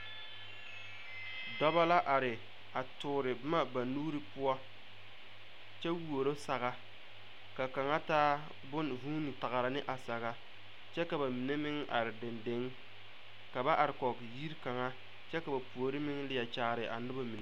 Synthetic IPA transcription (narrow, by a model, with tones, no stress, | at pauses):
dɔ˦ba˦la˦ʔa˨ɾɪ˨ | a˨tʊː˨ɾɪ˨˦ma˦ba˨nuː˦ɾɨ˦pʊ˦a˦ | t͡ʃɛ˦wu˦˨o˨ɾo˦sa˨ɣa˦ | ka˨ka˨ŋa˦taː˦ | bʊ˦nvuː˦nɪ˨ta˨ɣa˨ɾa˨nɪ˦ʔa˨sa˨ɣa˨ | t͡ʃɛ˦ka˨ba˨mi˨ne˦mɪ˦ŋʔa̰˨ɾɪ˨dɪ˨nde˨˦ŋ | ka˨ba˦ʔa˨ɾɪ˨kɔ˨kji˦ɾka˨ŋa˦ | t͡ʃɛ˦ka˨ba˨pu˨o˨ɾɪ˦mɪ˦ŋlɪ˦ja˨t͡ʃaː˨˦˨ɾɪ˨ʔa˨nʊ˦ba˦mi˨na˦